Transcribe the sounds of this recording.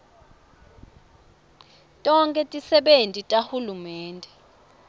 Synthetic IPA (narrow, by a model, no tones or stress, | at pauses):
tʼɔŋkʼɛtʼisɛɓentʼitʼahulumɛːntʼɛ